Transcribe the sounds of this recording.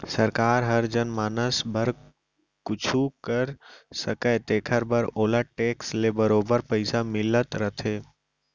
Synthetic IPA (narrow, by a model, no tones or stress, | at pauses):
səɾkaːɾɦɐɾd͡ʒənmaːnəsbʱəɾ | kʊt͡ʃʰukəɾsəkət̪eːkʰəɾbəɾoːlaʈeːkslebəɾoːbəɾpəɪsamɪlət̪ɾət̪ʰeː